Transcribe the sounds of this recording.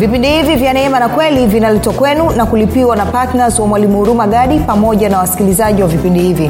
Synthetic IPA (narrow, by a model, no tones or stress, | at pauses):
vipindihivivjanɛɛmanakwɛlivinalɛtwakwɛnunakulipiwanapatnazwamwalimuuɾumaɠaɗipamɔʄanawasi̥kilizaʄiwavipindihivi